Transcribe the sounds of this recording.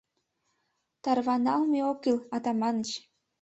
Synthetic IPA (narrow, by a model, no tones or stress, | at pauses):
t̪ɑrβɑnɑlmeokilɑt̪ɑmɑnət͡ɕ